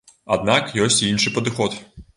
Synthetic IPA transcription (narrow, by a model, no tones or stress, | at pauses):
ɐd̪nɑkjɔsʲtʲinʃɪjpɔd̪ɪxɔt̪